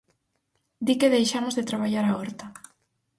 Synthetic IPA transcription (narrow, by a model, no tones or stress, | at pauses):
d̪ikeðejʃamozðɪt̪ɾaβaʎaɾaɔɾt̪a